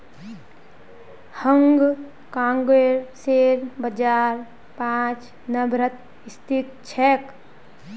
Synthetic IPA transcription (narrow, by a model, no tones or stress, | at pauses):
həŋɡ | kãŋɡeɾseɾbəd͡ʒaɾ | pãt͡ʃ | nəbɾət̪ | ist̪ʰit̪̚t͡ʃʰɛk